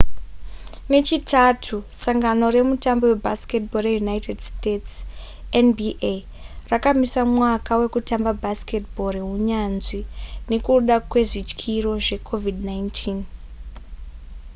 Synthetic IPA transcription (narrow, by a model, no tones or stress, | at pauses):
ne̞t͡ʃitatʰusaŋɡano̞ɾe̞mutambo̞we̞bʱaske̞tbo̞re̞junaitedstets | enbiʔe | rakamisamwakawe̞kutambabʱaske̞tbʱo̞ɾeɦuɲanzine̞kuɗakwe̞ʐit͡ʃkʰiro̞ʐe̞kʰo̞vidnajntʰiːn